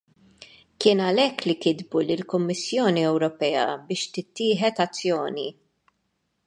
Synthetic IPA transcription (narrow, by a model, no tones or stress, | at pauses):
kɪːnɐlɛkːlikɪd̪bulɪlkʊmːɪsːjɔːniɛwɾɔpɛːɐ̰bɪːʃt̪ɪt̪ːɪːħɛt̪ɐt͡sːjɔːni